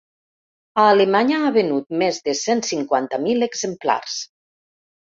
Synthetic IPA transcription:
aːlemaɲaːβenut̪̚mezðesensiŋkwant̪əmileɡzempla̰rs

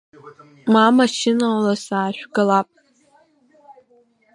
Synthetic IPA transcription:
mamaʃɪnalasaːʃʷᶣɡalapʼ

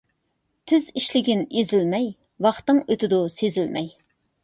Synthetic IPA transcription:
t̪ʰɪziʃlɪɡʲɪnezɪlmɛj | wɑχt̪ɨŋøt̪ʰɪd̪usezɪlmɛj

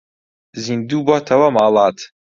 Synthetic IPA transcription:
zind̪uːbɔt̪ʰɐwɐmaːlˠɑːt̪

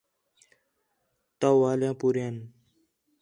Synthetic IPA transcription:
t̪awaːljãːpuɾjan

